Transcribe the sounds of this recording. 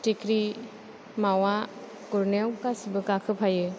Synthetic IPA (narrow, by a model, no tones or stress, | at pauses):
tikɾi | mawa | kuɾnewkasibɯkakʰɯpʰajɯ